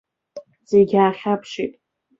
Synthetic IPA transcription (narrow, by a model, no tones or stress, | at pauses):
z̥eɡʲaːχʲapʰʂitʼ